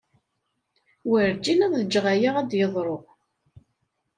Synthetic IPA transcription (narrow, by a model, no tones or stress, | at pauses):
wəɾd͡ʒinæððəd͡ʒːʁæjaʁæd̪jəðˤɾˤoʁ